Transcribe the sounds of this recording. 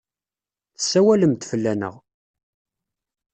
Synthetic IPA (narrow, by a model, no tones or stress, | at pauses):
θəsːæwæləmt̪fəlːænə̰ʁ